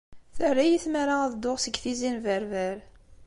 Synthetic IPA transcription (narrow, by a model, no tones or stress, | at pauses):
θərːæjiθmaɾaðd̪ʊʁsəɡθizinvəɾvæɾ